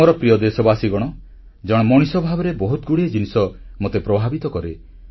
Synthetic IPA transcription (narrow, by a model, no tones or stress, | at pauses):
ɔɾɔpɾijɔd̪esɔbasiɡɔɽ̃ɔ | d͡ʒɔɽ̃ɔmɔɽ̃isɔbʱabɔɾebɔɦut̪ɡuɽied͡ʒinisɔmot̪epɾɔbʱabit̪ɔkɔɾe